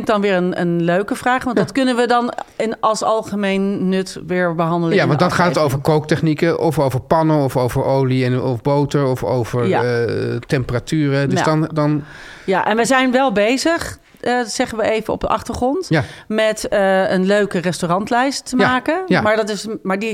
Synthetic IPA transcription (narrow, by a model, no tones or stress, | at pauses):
ɪŋk̚dɑnʋɪːɹənə̰nløɥkəvraːχʋɑntdɑtkɵnənʋədɑnɪnʔɑlˠsɑlˠχəmejnːɵtʋɪːɹbəɦɑndəljaʋɑndɑnχaːtətowvəɹkowk̚tɛχnikəʔɔfowvəɹpɑnəɔfowvəɹowliɛnɔfbowtəɹɔfo̰wvəɹjatɛmpəratyːrədəsdɑndɑn | jaʔɛnʋəjzɛjnʋɛlˠbejzəχ | z̥ɛχənʋəejvənɔ̰b̚dəʔɑχtəɹχrɔntjamɛtəənløɥkərɛstorɑntlɛjstːəmaːkənjmaːɹdɑtɪsmaːɹdi